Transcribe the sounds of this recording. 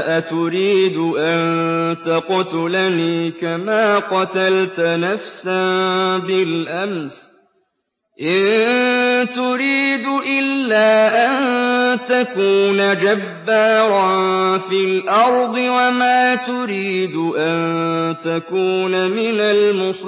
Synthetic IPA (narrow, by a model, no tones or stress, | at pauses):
ʔat̪ʊɾiːd̪ʊʔant̪aqʊt̪ʊlaniːkamaːqɑt̪alt̪nafsabɪlʔams | ʔɪn | t̪ʊɾiːd̪ʊʔɪlːaːʔant̪akuːnad͡ʒabːaːɾˤɑnfɪlʔɑɾˤd̪ˤɨwamaːt̪ʊɾiːd̪ʊʔant̪akuːnamɪnalmʊs